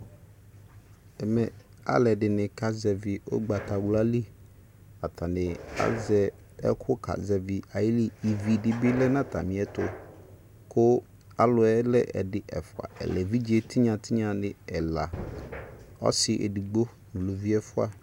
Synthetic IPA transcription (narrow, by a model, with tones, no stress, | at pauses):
ɛ˨mɛ˨ | a̰˦lɛ˨dɪ˨nɪ̃˨kʰa˦zɛ˨vɪ˨ʔo̰˦ɡ͡ba˨tʰa˨wla˦li˦ | a˨tʰa˨nɪ̃˨a̰˦zɛ˨ | ɛ̰˦kʰʊ˦kʰa̰˨zɛ˨vɪ˨a˨jɪ˦li˦i˨vi˨dɪ˨bɪ˦lɛ˦nã˦tʰa̰˨mɪ̃˨˦ɛ˦tʊ˨ | kʰʊ˦ | a˦lʊ˨ɛ˦lɛ˦ʔɛ̰˨dɪ˨ʔɛ̰˨fʊ˨a̰˨ɛ̰˨lɛ˨vi˦d͡ʒi˦ɛ˨tʰi˦ɲã˨tʰɪ˦ɲã˨nɪ̃˨ɛ˨la˨ | ɔ̰˦sɪ˨ʔɛ̰˨di˨ɡ͡bo˦ | n̩˨lo˨vi˦ɛ˦fʊ˦a˨